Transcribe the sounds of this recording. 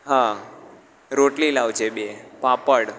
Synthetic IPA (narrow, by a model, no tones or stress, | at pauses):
ɦã | ɾoʈlilaʋt͡ʃʰebepãpəɽ